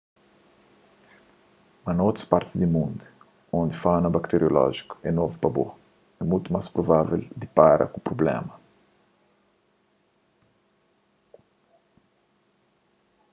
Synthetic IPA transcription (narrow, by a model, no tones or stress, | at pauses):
mɐnot̪ɾɐspaɾt̪ɪ̥zd̪imũnd̪u | õnd̪ɪfanɐbakt̪eɾjolɔ̰ʒi̥ku̥ɛnovupɐbo̰ | ɛmujt̪umaspɾovavḛld̪ipaɾɐ̰kupɾoblɛ̰mɐ